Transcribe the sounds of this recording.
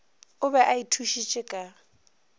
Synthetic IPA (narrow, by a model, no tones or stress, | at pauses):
ʊbɛʔaitʰuʃit͡ʃʼɪkʼa